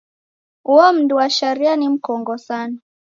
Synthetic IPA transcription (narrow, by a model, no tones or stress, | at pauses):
uɔm̩duwaʃaɾianim̩kɔŋɡɔsana